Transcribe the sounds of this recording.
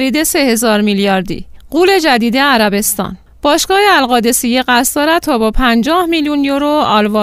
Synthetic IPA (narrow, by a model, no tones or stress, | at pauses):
ɾiːd̪e̞se̞he̞zɒːɾmiljɒːɾd̪ḭːɢuːle̞d͡ʒæd̪iːd̪e̞æɾæbe̞st̪ɒ̰ːn | b̥ɒːʃɡɒːheælɣɒːd̪e̞sijeɣæst̪d̪ɒːɾæt̪ʰɒːbɒpʰænd͡ʒɒːhmiljunjoɾoɒːlvɒː